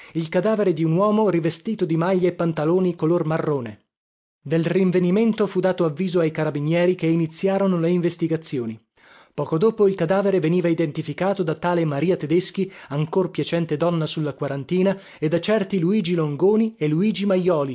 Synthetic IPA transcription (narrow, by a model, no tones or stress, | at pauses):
ilkad̪aːveɾed̪iunwɔːmorivest̪iːt̪od̪imaʎːaepːant̪aloːnikolormarːoːne | d̪elriɱveniment̪ofud̪aːt̪oavːiːzoajkaɾabinjɛːɾikeinit̪sːjaːɾonoleiɱvest̪iɡat̪sːjoːni | pɔːkod̪oːpoilkad̪aːveɾeveniːvaid̪ent̪ifikaːt̪od̪at̪aːlemaɾiːat̪ed̪esk̟iaŋkorpjat͡ʃɛnt̪ed̪ɔnːasulːakwaɾant̪iːna | ed̪ːat͡ʃɛrt̪iluiːd͡ʒiloŋɡoːnieluiːd͡ʒimajːɔːli